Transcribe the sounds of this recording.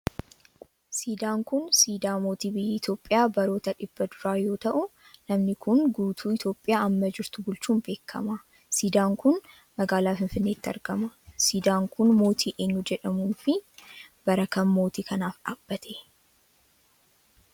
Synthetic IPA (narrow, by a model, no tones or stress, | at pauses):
siːd̪aːŋkʊnsiːd̪aːmo̞ːt̪iːbɪjɛɪt̪jo̞ːpʼːɪjaːbɐɾo̞ːt̪ɐᶑɪb̥ːɐd̪ʊɾaːjo̞ːt̪ɐʔʊ | nɐmnɪkʊnɡuːt̪ʰuːɪt̪jo̞ːpʼːɪjaːɐmːɐd͡ʒɪɾt̪ʊbʊlt͡ʃːuːnbe̞ːkʰːɐ̰mɐ | siːd̪aːŋkʊn | mɐɡaːlaːfɪnfɪnːe̞ːt̪ːɐ̰ɾɡɐmɐsiːd̪aːŋkʊnmo̞ːt̪ʰiːʔe̞ːɲːʊd͡ʒɛᶑɐmuːnfɪb̥ɐɾɐkɐmːo̞ːt̪iːkʰɐnaːfᶑaːb̥ːɐt̪ʰe